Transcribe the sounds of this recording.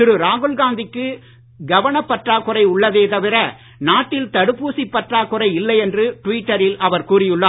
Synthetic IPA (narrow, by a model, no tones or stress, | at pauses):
ɪɾɯɾaːɣɯlɡaːnd̪ɪkːɯ | ɡɐʋɐɳɐpːɐʈraːkːʊrɐɪʊɭːɐðeːt̪ɐʋɪɾɐ | naːʈːɪlt̪ɐɽɯpːuːsipːɐʈraːkʊrɐɪɪlːɐɪɛndrɯʈʊʋiːʈːɐɾɪlʔɐʋɐɾkuːrɪjɯɭːaː